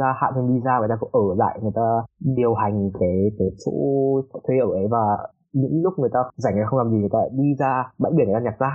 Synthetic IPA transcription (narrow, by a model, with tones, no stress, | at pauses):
aː˧ha̰ː˧˨mt͡ɕə˧ŋ͡mɗi˧zaː˧˨˩jt̪aː˧kʊ̰˧˥˦ŋ͡mʔəː˧˩za̰ː˧˨jŋɨ˨əjt̪aː˧ɗi˨˩əwha˨˩jŋ̟kaː˨˦jk̪ə˨˦so̰˧˥˦t̪ʰwe˧ʔəː˧˩ʔə˨˦jvaː˨˩ | ɲɨ̰˧˥ŋlʊ˦˥k͡p̚ŋɨ˨˩əjt̪aː˧za˧˩ŋː˨˧xə˧ŋ͡mlaː˨˩mzi˨˩ŋ˨˩jt̪a̰ː˧ɗi˧zaː˧ɓa̰˧˥ʔi˧˩nŋ˨˩aː˧ɲa˨˩k̚zaː˧˩